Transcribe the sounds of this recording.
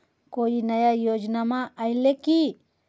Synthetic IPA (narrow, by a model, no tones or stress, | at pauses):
kojinajajod͡ʒnamaʔːjleki